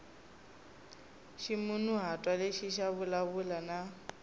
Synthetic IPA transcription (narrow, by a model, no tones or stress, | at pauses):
ʃimunuɦatʼwaleʃiʃaβʊlaβulana